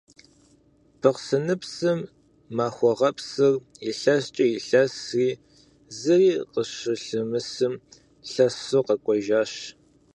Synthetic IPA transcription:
pʰɨqsɨnɨpsɨmː | aːxʷɔʁɐpsɨrɪɬɐst͡ʃʼɐjɪɬɐsriː | zɨriːqəɕɨɬɨmɨsɨm | ɬɐsoqɐkʷʼɔʒaːɕ

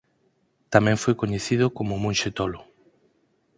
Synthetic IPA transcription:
t̪amɛ̃ŋfojkoɲeθiðʊkomomũnʃet̪olʊ

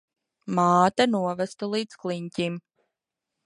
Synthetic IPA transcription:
maːt̪anuɔvæst̪alˠiːd̪sklˠiɲcʲim

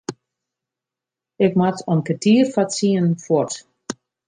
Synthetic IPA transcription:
ɪkmatʰɔnkətʰiːərfatsiənfwɔrt

